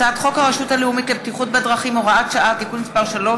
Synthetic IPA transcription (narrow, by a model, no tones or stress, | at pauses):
aat̪χo̞khaʁeʃuthaleumit̪lebt̪iχut̚bedʁaχimoʁaat̪ʃaʔat̪ikunmispaʁʃalo̞